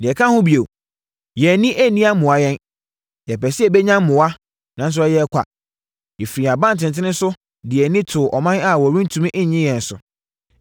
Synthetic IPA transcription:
dɪ̃˨ɛ˨kʰã˦hʊ̃˦bi˨o˨ | jɛ˨nĩ˦ʔæ˦nĩ˦a˦mʊ̃˨a˨jɛ̃˦n | jɛ˨pɛ˨sɪ˦ɛ˦˨bɛ˦ɲã˦mmʊ̃˨wa˦ | nã˨˦n˦s̬ʊ˦ɛ˦jɛ˦kʰʷa̰˨ | jɛ˨fɾi˨a˨bã˦n˨tʰɪ̃˨n˨tʰɪ˦nɪ̃˦n˦sʊ˦ | dɪ˨ɛ˨nɪ̃˦tʰʊ˨ʔɔ̰˨mã˦a˦˨wɔ˨ɾĩ˦n̩˦tʰũ˦mĩ˦ʔɲɪ̃˦jɛ̃˨n̩˨sʊ̰˨

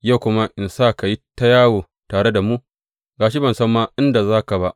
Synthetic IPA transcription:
ja˦˨wkʷʊ˦ma˦ʔɪ˨nsaː˦ka˨ji˦ta˦jaː˦woː˨ | taː˨ɽe˦da˨mu˦ʔ | ɡaː˨ʃ̬i˦bɐ˨nsɐ˦mːaː˦ʔɪ˦nda˨zaː˦ka˨ba˦ʔ

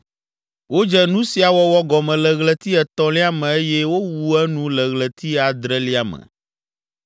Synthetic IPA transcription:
wo˦d͡ʒɛ˦nũ˦si˨a˨wɔ˦wɔ˦ɡɔ˨mɛ̃˨lɛ˨ɣlɛ˨t̪i˦ɛ˨t̪ɔ̃˦li˦a˦mɛ̃˨e˦jɛ˦wo˦wu˨ɛ˦nũ˦lɛ˨ɣlɛ˨t̪ʰi˦a˨d̪ɾɛ˦li˦a˨mɛ̰̃˨

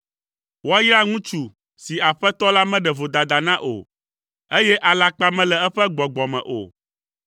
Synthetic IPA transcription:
wo˦a˦jɾa˦ŋũ˦t͡ʃu˨ | si˨a˨ɸɛ˦t̪ɔ˦la˦mɛ̃˦ɖɛ˨vo˨d̪a˨d̪a˨nã˦ʔo̰˨ | e˦jɛ˦ʔa˨la˨k͡pa˦mɛ̃˦lɛ˨ɛ˦ɸɛ˦ɡ͡bɔ˨ɡ͡bɔ˨mɛ̰̃˨ʔo̰˨

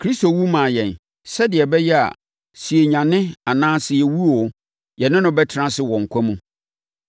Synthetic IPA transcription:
kʰɾi˦sto˨wu˦mãː˨jɛ̃˨n | sɛ˦dɪ˨ɛ˨bɛ˦jɛ˦a̰˨ | si˨e˨ɲã˨nɪ̃˦a˨nãː˦sɪ˦jɛ˨wu˦ɔ˨ | jɛ˨nɪ̃˦nʊ̃˦bɛ˦tʰɪ˦ɾã˦sɪ˦˨wɔ̃˨ŋ̩˨kʷʰa˦mũ˦

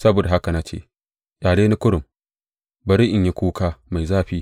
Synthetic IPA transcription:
sɐ˦boː˨da˨ɦa˦ka˨na˦t͡ʃḛː˦˨ | jaː˨leː˦ni˦kʷʊ˦ɽʊ˨m | bɐ˨ɾi˦ʔɪ˨ɲji˦kʷuː˦kaː˦ma˨jzaː˦ɸiː˦

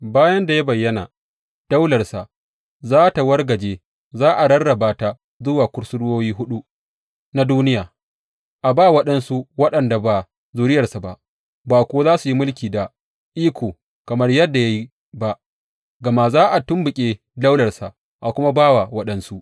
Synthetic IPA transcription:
baː˦jɐ˦nda˨ja˦bɐ˨jːɐ˦na̰˨ | d̥a˦wlɐ˨rsa˨ʔ | zaː˦ta˨wɐ˦rɡɐ˨d͡ʒeː˦ | zaː˦ʔa˨ɽɐ˦rɽɐ˨baː˦ta˦˨ | zʊ˦waː˨kʷʊ˦ɽsʊ˦ɽʊ˦woː˦jiː˦ɦʊ˦ɗu˦ | na˦duː˦nɪ˦jaː˨ | ʔa˨baː˦wɐ˦ɗɐ˦nsu˦wɐ˦ɗɐ˨nda˨baː˨ | zuː˨ɾɪ˦jɐ˨rsa˨ba˦ʔ | baː˨kʷoː˦zaː˦su˨ji˦mʊ˦lkʲiː˨da˨ | ʔiː˦kʷʰoː˨ | kɐ˨mɐ˦rjɐ˦dːa˨ja˦ji˦ | ba˦ʔ | ɡɐ˨ma˦zaː˦ʔa˨tʊ˦mbʊ˨kʲʼeː˦ | da˦wlɐ˨rsa̰˨ | ʔa˨kʷʊ˦ma˦baː˦wa˨wɐ˦ɗɐ˦nsu˦ʔ

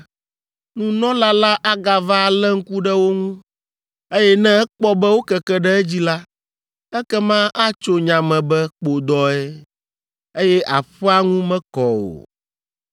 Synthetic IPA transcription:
nũ˦nɔ̃˦la˦la˦ʔa˦ɡa˨va˦˨lɛ˦ŋ̩˦ku˦ɖɛ˦wo˦ŋũ˦ | e˦jɛ˦nɛ̃˦ɛ˦k͡pɔ˦bɛ˦wo˦kɛ˨kɛ˦ɖɛ˦ɛ˦d͡ʑi˦la˦ | ɛ˦kɛ˦mã˦a˦t͡ʃo˦ɲã˨mɛ̃˨bɛ˦k͡po˨d̪ɔ˨ɛ˦ | e˦jɛ˦ʔa˨ɸɛ˦a˦ŋũ˦mɛ̃˦kɔ˨o̰˨

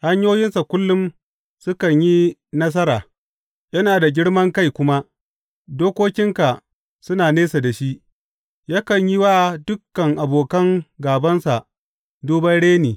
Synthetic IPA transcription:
ha˦ɲjoː˦jɪ˦nsa˨kʷʊ˦lːʊ˦m | sʊ˦kɐ˨ɲji˦nɐ˦s̬ɐ˦ɾaː˨ | jɐ˦naː˨da˨ɡʲɪ˦ɽmɐ˦ŋka˦˨jkʷʊ˦ma˦ | doː˦kʷoː˦kʲɪ˦ŋka˨ | sʊ˦naː˨neː˦sa˨da˨ʃi˦ʔ | jaː˦kɐ˨ɲji˦waː˦dʊ˦kːɐ˨ŋʔa˨boː˨kɐ˦ŋɡaː˨bɐ˦nsa˨ʔ | duː˦bɐ˦nɽeː˦niː˨

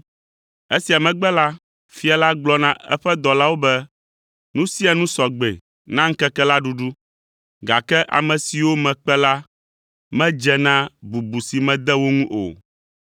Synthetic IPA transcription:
e˦si˨a˨mɛ̃˨ɡ͡bɛ˦la˦ | fi˦a˨la˦ɡ͡blɔ˦nã˦ɛ˦ɸɛ˦d̪ɔ˨la˦wo˦bɛ˦ | nũ˦si˦a˨nũ˦sɔ˨ɡ͡bḛ˨ | nã˦ŋ̩˦kɛ˦kɛ˦la˦ɖu˦ɖu˦ | ɡa˨kɛ˦ʔa̰˨mɛ̃˨si˨wo˦mɛ̃˨k͡pɛ˦la˦ | mɛ̃˦d͡ʒɛ˦nã˦bu˨bu˨si˨mɛ̃˨d̪ɛ˦wo˦ŋũ˦ʔo̰˨

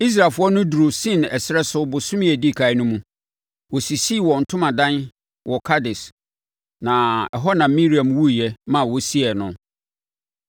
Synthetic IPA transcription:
i˦s̬ɾa˨lfʊ˦ɔ˦nʊ̃˦du˨ɾo˨sɪ̃˦n˨ɛ˨sɪ˦ɾɛ˦sʊ˦bʊ˨sʊ̃˦m˦ɛ˨di˦˨kʰa˨˦ɪ˦nʊ̃˦mũ˦ | wɔ˨si˨si˦˨wɔ˨n̩˨tʰʊ̃˦mã˨dã˦n | wʔɔ˨kʰa˦dɪ˨s | nã˨ɛ˨ɦɔ˦nã˨˦mĩ˦ɾi˨ã˨mwu˦˨jɛ˦mã˨wɔ˨si˦ɛ˨nʊ̃˨

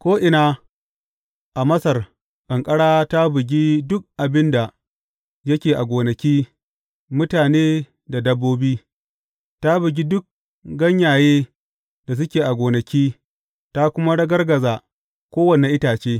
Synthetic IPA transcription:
kʷoː˦ʔɪ˨naː˦ | ʔa˨mɐ˦sɐ˨r | kʼɐ˨ŋkʼɐ˦ɽaː˦ta˦bɪ˨ɡʲi˦dʊ˦k̚ʔa˨bɪ˦nda˨ | jɐ˦kʲeː˨ʔa˨ɡʷoː˨nɐ˨kʲiː˦ | mʊ˦taː˨neː˦ | da˨dɐ˦bːoː˦biː˦ | ta˦bɪ˨ɡʲi˦dʊ˦k̚ | ɡɐ˦ɲjaː˨jeː˦ | da˨s̬ʊ˦kʲeː˨ʔa˨ɡʷoː˨nɐ˨kʲiː˦ | ta˦kʷʊ˦ma˦ɽɐ˦ɡɐ˦rɡɐ˨zaː˨ | kʷoː˦wɐ˨ne˨ʔɪ˦taː˨t͡ʃeː˦

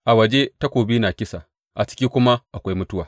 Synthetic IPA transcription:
ʔa˨wɐ˨d͡ʒe˦ta˦kʷoː˨biː˦na˨kʲɪ˦sa˨ | ʔa˨t͡ʃɪ̥˦kʲiː˦kʷʊ˦ma˦ʔa˨kʷa˦jmʊ˦tʊ˦wa˨

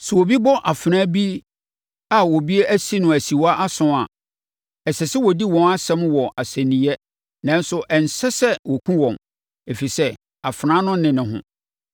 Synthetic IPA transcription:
sʊ˨wo˨bi˦bɔ˦ʔa˨fɾã˦bi˦ | a˨wɔ˨bi˦e˦ʔæ˦si˦nʊ̃˨æ˨si˨wa˦ʔa˦sʊ̃˦a˨ | ɛ˨sɛ˨sɪ˦wɔ˨di˦wɔ̃˦na˦sɛ̃˦mwɔ˨ʔa˨sæ̃˨nĩ˨˦ɛ˦ | nã˦nsʊ˦ʔɛ˨n̩˨sɛ˦sɛ˦wɔ˨kʰũ˦wɔ̃˨m | e˨fi˨sɛ˦ | a˨fɾãː˦nʊ̃˦nɪ̃˨nɪ̃˨ɦʊ̰̃˦

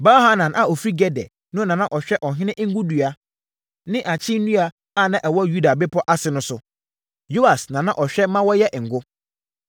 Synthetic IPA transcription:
ba˦ha˦nã˨nʔa˨ɔ˨fɾi˦ɡɛ˦dɛ̰˨ | nʊ̃˦nã˨nã˦ʔɔ˨ɕᶣɛ˦ʔɔ˨ɦɪ̃˦nɪ̃˦ʔŋ̩˦ɡʊ˦du˨a˨ | nɪ̃˦ʔa˨t͡ɕʰɪ˦nũ˦a˨ | a˦˨nã˦˨ʔɛ˨wɔ˦ju˦da˨bɪ˦pʰɔ˦ʔa˦sɪ˨nʊ̃˦sʊ˨ | jo˦a˨snã˨nã˦ʔɔ˨ɕᶣɛ˦mã˦wɔ˦jɛ˦ʔŋ̩˨ɡʊ˦

